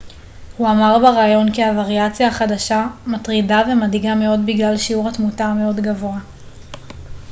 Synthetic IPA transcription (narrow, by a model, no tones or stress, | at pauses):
huamaʁbeʁaːjo̞nkiavaʁjat͡sjaːχadaʃamatʁidave̞madiɡame̞o̞dbiɡlalʃiuʁhatmutame̞o̞dɡavoa